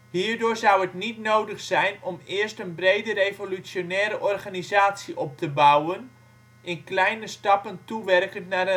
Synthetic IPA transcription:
hiːrdʊːrzawətnitnowdəxsɛjnɔmɪərstənbrejdərejvolyt͡sjonɛːɾəʔɔrχanizaːtsiʔɔp̚təbawən | ʔɪnklɛjnəstɑpəntuʋɛrkənnarə

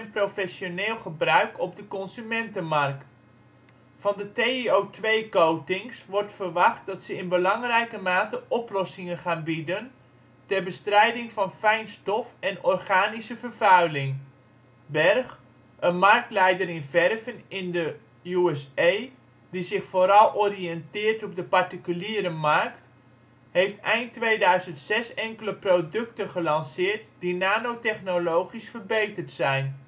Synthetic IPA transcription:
ɛnprofɛsjoneːlˠχəbrœɥkʰɔb̚dəkɔnsymɛntənmɑrkt | fɑndəteiowtʋejkowtɪŋsʋɔrtfərʋɑχt̚dɑtsəɪnbəlɑŋrɛjkəmaːtəʔɔplɔsɪŋənχaːnbidən | tɛrbəstrɛjdɪŋfɑnfɛjnstɔfɛnɔrχaːnisəvərvœɥlɪŋ | bɛrx | ənmɑrk̚tlɛjdərɪnvɛrvənɪndə | juɛsej | dizɪxfoːɾɑlˠʔoriɛntɪːrtɔb̚dəpartikyliːɾəmarkt | hejftɛjntʋeːdœɥzəntsɛsɛŋkələprodɵktənχəlɑnsɪːrtd̥inaːnowtɛχnolowχisfərbejtərtsɛjn

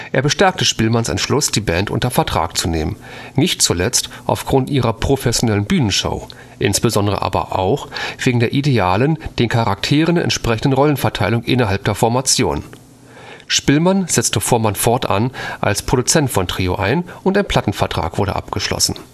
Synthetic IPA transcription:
ʔeːɐbəʃtɛɐk̚təʃpɪlmansɛ̰nʃlʊsd̥iːbɛːntʔʊ̰ntɐfɛɐtʁ̥a̰ːk̚t͡suneːmən | nnɪçtt͡sulɛt͡stʔa̰ʊfɡ̥ʁʊntʔiːʁɐpʁ̥ofɛsjonɛlənbyːnənʃo̰ʊ | ʔɪnsb̥əzɔndəʁə̰ʔa̰ːbɐ̰ʔa̰ʊxv̥eːɡŋ̩deːɐʔideaːlənd̥eːnkʰaʁaktʰeːʁənɛ̰ntʃpʁ̥ɛçn̩dənʁɔlənfɛɐtʰaɪlʊŋʔɪnɐɦalp̚d̥eːɐfɔɐmat͡sjo̰ːn | ʃpɪlmanz̥ɛt͡stəfoːɐmanfɔɐtʔa̰nʔa̰lspʁ̥oɾdut͡sɛntfɔntʁ̥iːo̰ʔaɪnʔʊntaɪnpʰl̥atn̩fɛɐtʁ̥a̰ːkv̥ʊɐɾə̰ʔa̰pɡ̥əʃlɔ̰sn̩

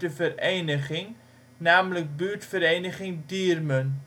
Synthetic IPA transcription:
dəfəɾejnəχɪŋ | naːmlək̚byːrtfəɾejnəχɪŋdiərmən

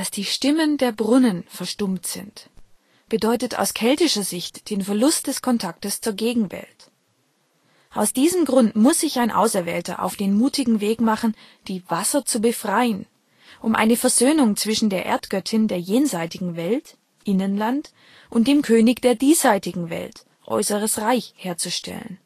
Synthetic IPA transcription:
d̥asd̥iːʃtɪməndeːɐbʁʊnənfɛɐʃtʊmtz̥ɪ̰nt | b̥ədɔʏtətʰa̰ʊskʰɛltɪʃɐzɪçtd̥eːnfɛɐlʊst̚d̥ɛskʰɔntʰak̚təst͡suːɐɡeːɡŋ̩vɛ̰lt | ʔaʊsd̥iːzəmɡʁʊntmʊsz̥ɪçaɪnʔa̰ʊsɛɐvɛ̰ːltɐ̰ʔa̰ʊfd̥eːnmuːtɪɡŋ̩veːkmaχn̩ | d̥iːvasɐt͡subəfʁ̥aɪən | ʔʊmʔa̰ɪnəfɛɐzøːnʊŋt͡sv̥ɪʃn̩deːɐʔḛːɐtɡ̥œtʰɪndeːɐjeːnzaɪtɪɡŋ̩vɛlt | ʔɪnənlant | ʔʊntd̥eːmkʰøːnɪçd̥eːɐdiːsaɪtɪɡŋ̩vɛ̰lt | ʔɔ̰ʏsəʁ̞əsʁaɪçheːɐt͡suʃtʰɛ̰lə̰n

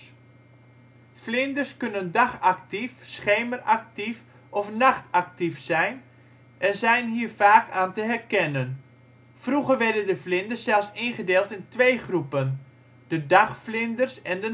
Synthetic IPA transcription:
flɪndərskønəndaχak̚tifsχeːmərak̚tif | ʔɔfnaχtak̚tifsɛjn | ʔɛnzɛjnɦiːrfaːkʰaːntəɦɛrkɛnən | fruɣərʋɛrdəndəflɪndərssɛlˠsɪnχədɪːlˠtɪntʋejχrupən | d̥ədaχflɪndərsɛndə

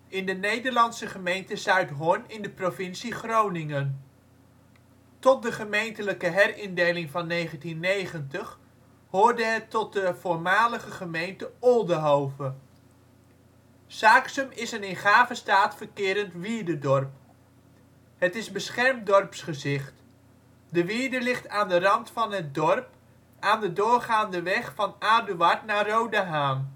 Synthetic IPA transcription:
ɪndənejdəɹlɑnsəχəmejntəsœɥtɦɔɹnɪndəprovɪnsiχrownɪŋən | tɔt̚dəχəmejntələkəɦɛrɪndejlɪŋvɑnːejχəntinːejχəntəχ | ɦʊːɹdəɦɛtɔt̚dəvʊːɹmaːləχəχəmejntəɔlˠdəɦowvə | saːksəmɪsənɪnχaːvəstaːtfəɹkɪːɾəntʋiəɹdədɔɹp̚ | ɦətɪzbəsχɛɹmdɔrpsχəzɪχt | dəʋiədəlɪχtaːndərɑntfɑnɦət̚dɔrp | aːndədʊːɹχaːndəʋɛχfɑnaːdyʋɑɹtnaːrowdəɦaːm

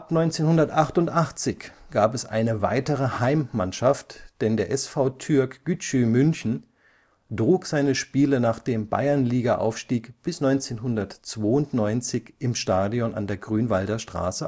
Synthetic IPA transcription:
ʔapnɔʏnt͡seːnhʊndɐtʔaχtʊntʔaχt͡sɪçɡ̥aːpɛsʔa̰ɪnəva̰ɪtəʁəhaɪmːanʃaftd̥ɛndeːɐʔɛsfaʊtʰʏɐkɡ̥yt͡ʃymʏnçn̩ | dʁuːkz̥aɪnəʃpiːlənaːχd̥eːmba̰ɪɐnliːɡaʔa̰ʊfʃtiːkb̥ɪsnɔʏnt͡seːnɦʊndɐtt͡sv̥oːʊntnɔʏnt͡sɪçʔɪmʃtaːdiɔna̰ndeːɐɡʁyːnvaldɐʃtʁ̥a̰ːsə

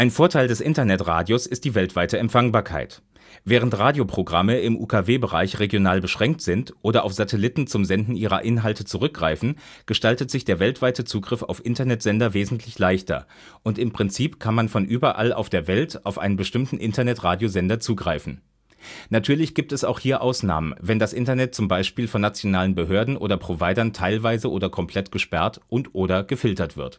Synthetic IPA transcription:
ʔaɪnfoːɐtʰaɪldɛsʔɪntɐnɛtʁa̰ːdjosɪst̚d̥iːvɛltv̥aɪtəɛmpfaŋbaːɐkʰa̰ɪt | vɛːʁ̞əntʁaːdjopʁ̥oɡʁaməɪmʔṵːkʰaveːbəʁa̰ɪçʁeɡjonaːlbəʃʁ̥ɛŋk̚tz̥ɪntʔoːdɐʔaʊfz̥atʰɛlɪtn̩t͡sʊmzɛndn̩ʔiːʁɐ̰ʔɪnɦaltət͡suʁʏk̚ɡ̥ʁa̰ɪfn̩ | ɡ̥əʃtaltətz̥ɪçd̥eːɐvɛltv̥aɪtət͡suːɡʁɪfaʊfʔɪntɐnɛtz̥ɛndɐveːzn̩tʰlɪçlaɪçtɐ̰ | ʔʊntɪmpʁ̥ɪnt͡siːpkʰanmanfɔnʔyːbɐʔa̰la̰ʊfd̥eːɐvɛltʔaʊfʔa̰ɪnənbəʃtɪmtn̩ʔɪntɐnɛtʁaːdjozɛndɐt͡suːɡʁaɪfn̩ | natʰyːɐlɪçɡ̥iːp̚tɛsa̰ʊxhiːɐʔaʊsna̰ːmənvɛndasʔɪntɐnɛt̚t͡sʊmbaɪʃpiːlfɔnːat͡sjonaːlənbəɦøːɐdn̩ʔo̰ːdɐpʁ̥ovaɪɾɐntʰaɪlvaɪzəʔoːdɐkʰɔmpʰl̥ɛtɡ̥əʃpɛɐtʔʊntʔoːɾɐɡ̥əfɪltɐtv̥ɪ̰ɐt

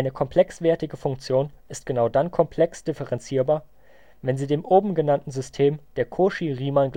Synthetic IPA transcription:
ɪnəkʰɔmpʰl̥ɛksv̥ɛɐtɪɡəfʊŋkt͡sjoːnʔɪst̚ɡ̥ənaʊdankʰɔmpʰl̥ɛksd̥ɪfəʁɛnt͡siːɐbaːɐ | vɛnziːdeːmʔoːbm̩ɡənantn̩zʏstʰeːmd̥eːɐkʰoːʃiʁiːmanɡl

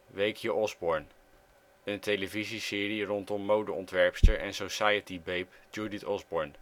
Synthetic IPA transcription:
ʋejkʰjəʔɔzbɔɹn | əntejləvizisɪːrirɔntɔmːowdəɔntʋɛɹpstəɹʔɛnsosajətibejpd͡ʒuːditɔzbɔɹn

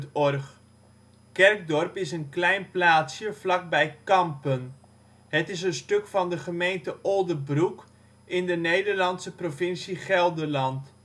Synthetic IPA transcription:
tɔrχ | kɛrk̚dɔrpɪsənklɛjnplaːtsjəflɑk̚bɛjkɑmpən | ɦətɪs̬ənstɵkfɑndəχəmejntəʔɔlˠdəbruk | ɪndənejdərlɑnsəprofɪnsiχɛlˠdərlɑnt

